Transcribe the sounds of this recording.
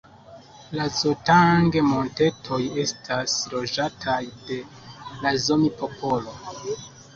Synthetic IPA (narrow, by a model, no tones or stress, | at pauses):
lazotaŋɡemo̞nte̞tʰo̞je̞stʰaslo̞d͡ʒatʰajde̞ | lazo̞mipo̞pʰo̞lo